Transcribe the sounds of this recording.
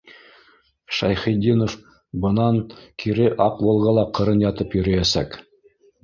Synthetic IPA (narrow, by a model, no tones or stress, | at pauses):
ʃɑjχĭjd̪ʲinof | bɤ̆nɑŋkiɾɘʔɑqwɤ̆lˠʁɤlˠɑqɤ̆ɾɤnjɑt̪ɤpjɵ̆ɾɘ̆jæsæ̰k